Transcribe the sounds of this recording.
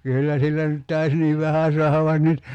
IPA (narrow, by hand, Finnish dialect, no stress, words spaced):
kyːlːæ silːæ nyt tɑis niːʋ ʋæhæ suɑhɑʋ ʋɑin nyt